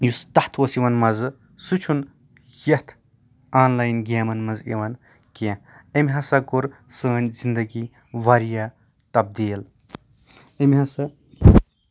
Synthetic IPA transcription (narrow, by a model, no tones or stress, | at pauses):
just̪ɐht̪ʰoːsiʋɐnmɐz | sut͡ʃʰun | jɐt̪ʰ | aːnlaːjnɡʲaːmɐnmɐzḛʋɐn | kẽɐmʲiɦɐsɐɡuɾsəːnʲzind̪ɐɡi | ʋaɾija | t̪ɐb̚d̪iːl | ɐmʲiɦɐsɐ